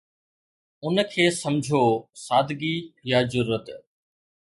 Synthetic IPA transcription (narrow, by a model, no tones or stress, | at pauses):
ʊnkʰeːsɐmd͡ʑʱosaːd̪ɡijazʊɾuːət̪